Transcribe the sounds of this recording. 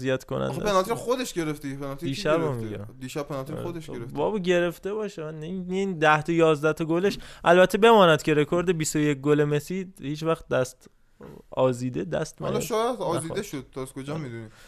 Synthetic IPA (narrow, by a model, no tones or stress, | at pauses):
zijæt̪konæ̰d̪̰penɒt̪ʰiɾxod̪eʃɡe̞ɾeft̪epʰenɒt̪ʰid̪iːʃæbomiɡæd̪iːʃæb̚pʰːenɒt̪iɾod̪eʃeɾefbɒːbɟe̞ɾe̞ft̪e̞bɒːʃemænind̪æht̪ʰojɒːzd̪æt̪ʰoɡoleʃʔælbæt̪ʰːebe̞mɒːnæd̪̥cʰe̞ɾe̞kʰoɾd̪ebist̪ojek̚ɡolemesihiːt͡ʃvæxt̪̚d̪æst̪ | ɒːziːd̪ed̪æ̰st̪mællʃɔːjæd̪ɒːziːd̪eʃod̪̚t̪ɒzkʰod͡ʒɒːmid̪uni